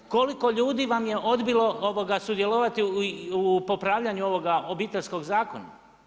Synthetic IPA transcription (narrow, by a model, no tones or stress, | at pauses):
ko̞liko̞ʎuːd̪iʋamje̞ʔo̞d̪bilˠo̞oʋoɡasud̪je̞loʋat̪iupo̞pɾaːʋʎaɲuo̞ʋo̞ɡaobiːt̪eʎʲsko̞ɡzaːko̞na̰